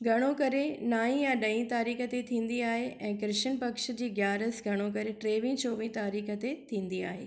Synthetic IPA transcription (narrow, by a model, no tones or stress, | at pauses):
ɡʱɐɽ̃okɐɾenaːĩjãɗɐĩt̪aːɾiːxə̆t̪et̪ʰĩːn̆d̪iaːɦeʔɛ̃ːkɾɪʃənpɐkʃd͡ʑeːɡjaːɾəsɡʱɐɽ̃ok̬ɐɾeʈɾeːʋĩːt͡ɕoːʋĩːt̪aːɾiːxət̪et̪ʰĩːnd̪ia̰ːɦeː